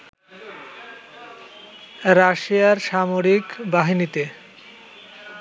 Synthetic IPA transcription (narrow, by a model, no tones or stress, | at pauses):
ɾaʃiaɾʃamoɾikbaɦinit̪e